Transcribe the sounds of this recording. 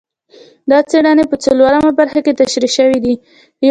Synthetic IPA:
d̪ɑt͡seɽɑnepət͡səlwaɾamabaɾxaket̪aʃɾiʃəwid̪i

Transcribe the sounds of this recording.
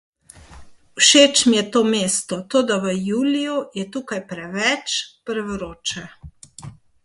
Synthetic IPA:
wʃet͡ʃmjɛt̪oːmeːst̪ɔt̪oːd̪aʋəjuːlijujɛt̪uːkajpɾɛʋɛt͡ʃpəɾʋɾoːt͡ʃɛ

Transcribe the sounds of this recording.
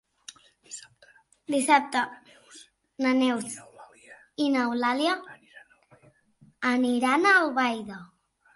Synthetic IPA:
d̪isap̚t̪a | nanews | inawlalja | aniɾanaoβajða

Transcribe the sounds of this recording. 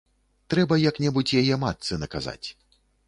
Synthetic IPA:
t̪ɾɛbɐjaknʲɛbut͡sʲjajɛmat̪sɨnɐkaza̰t͡sʲ

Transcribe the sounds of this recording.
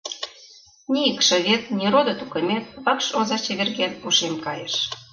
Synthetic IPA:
nʲijəkʃɤ̆βet̪̚nʲiɾod̪ɤ̆t̪ukɤ̆mʲet̪̚βɑkʃozɑt͡ɕeβʲerɣenpuʃemkɑjeʃ

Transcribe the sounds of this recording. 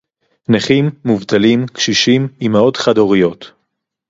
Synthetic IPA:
neχimːuvt̪alimkʃiʃimimao̞tχadoʁijo̞t

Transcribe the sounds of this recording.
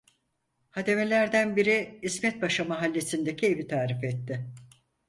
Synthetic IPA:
had̪e̞me̞lʲæɾd̪ænbiɾiismɛt̪̚baʃamaɦalʲːe̞sind̪e̞cʰie̞vit̪ʰaːɾifɛt̪ːɪ

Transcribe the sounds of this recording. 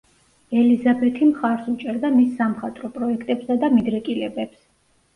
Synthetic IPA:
ɛlizabɛt̪ʰimχaɾsut͡ʃʼɛɾd̪amisːamχat̪ʼɾɔpʼɾɔɛkʰt̪ʼɛpsad̪amid̪ɾɛkʼilɛbɛps

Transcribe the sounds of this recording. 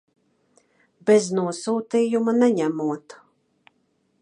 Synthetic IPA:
bɛznuɔsuːt̪iːjumanɛɲæmuɔt̪

